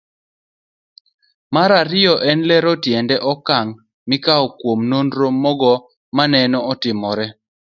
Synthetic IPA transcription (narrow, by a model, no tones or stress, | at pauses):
maɾaɾɪjɔʔɛnlɛɾɔtjɛndɛʔɔkaŋ | mɪkaɔkwomnondɾomɔɡɔ | manɛnɔːtɪmɔɾɛ